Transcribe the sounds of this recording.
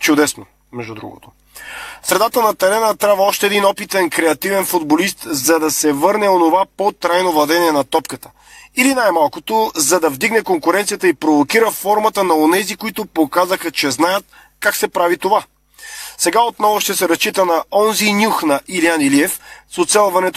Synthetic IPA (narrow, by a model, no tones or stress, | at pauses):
t͡ʃʊd̪ɛsno | mɛʒd̪ud̪ɾṵɡo̰t̪o | sɾɛd̪at̪ənɐt̪ɛɾɛnət̪ɾavəɔʃt̪ɛːd̪inɔpit̪ɛnkɾɛɐt̪ivɛnfud̪bolist̪zɐd̪ɐsɛvɤɾnɛonovapot̪ɾajnovlˠɐd̪ɛniɛnɐt̪ɔpkət̪ə̥ | ilinajmalˠkot̪ozɐd̪ɐvd̪iɡnɛkoŋkʊɾɛnt̪sijət̪əipɾovokiɾəfɔɾmət̪ənɐonɛzikoit̪ʊpokazəxɐt͡ʃɛznajət̪̚ | kaksɛpɾavit̪ova | sɛɡaot̪nɔvoʃt̪ɛsɛɾɐst͡ʃit̪ənɐɔnzinʲuxnɐʔilianiliɛfsot̪sɛlˠvɐnɛt̪